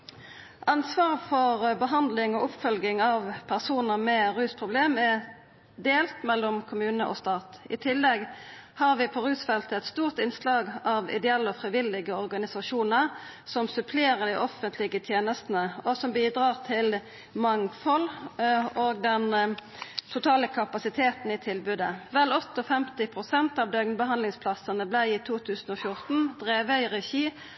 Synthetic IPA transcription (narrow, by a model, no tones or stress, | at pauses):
ʔɑnsʋɑːʁfɔʁbəɦɑnd̪lɪŋɔʊpfœlɡɪŋɑʋpʰæʁsuːnəʁmɛʁʉːspʰʁʊbleːmɛ | d̪eːlt̪mɛlːɔmkʰʊmʉːnəʔɔ̰st̪ɑːt̪ɪt̪ʰɪlːɛɡhɑʁʋɪpʰɔʁʉːsfɛlt̪əɛt̪st̪uːʁt̪ɪnslɑːɡɑʋɪ̰d̪ɛɛlːəɔfʁɪʋɪlːɪɡəɔʁɡɑnɪsɑʃuːnəʁ | sɔmsʉpʰleːʁəd̪æɪʔɔfənt̪ʰlɪɡət̪ʰjeːnəst̪nəɔsɔmbiːd̪ʁɑːʁt̪ʰɪl | mɑŋfɔl | oːɡd̪ɛn | t̪ʰʊt̪ʰɑːləkʰɑpɑsɪt̪ʰeːt̪n̩ɪt̪ʰɪlbʉd̪əʋɛlɔt̪ːɔfɛmt̪ɪpʰʁʊsɛnt̪ɑʋd̪øɡnbəɦɑnlɪŋspʰlɑsənəblæɪiːt̪ʰuːt̪ʰʉːsn̩oːfjʊʁt̪n̩d̪̥ʁeːʋəɪʁɛçiː